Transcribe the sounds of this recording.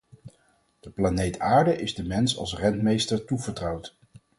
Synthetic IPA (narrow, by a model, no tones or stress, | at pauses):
d̥əplanejtaːɹdəʔɪzdəmɛnsɑ̰lˠsrɛntmejstəɹtuvəɹtrɑwt